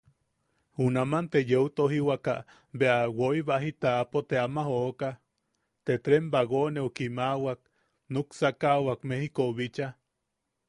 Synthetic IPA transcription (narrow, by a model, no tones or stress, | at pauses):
hunamant̪ejeut̪oɦiwaka̰ʔ | βeawoiβaɦit̪apot̪eamahoka | t̪et̪ɾembaɣoneukimawak̚ | nuksakawakmehikoβit͡ʃa